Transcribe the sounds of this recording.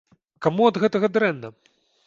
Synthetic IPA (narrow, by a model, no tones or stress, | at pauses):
kamuɐd̪ɣɛt̪ɐɣɐd̪ɾɛnːɐ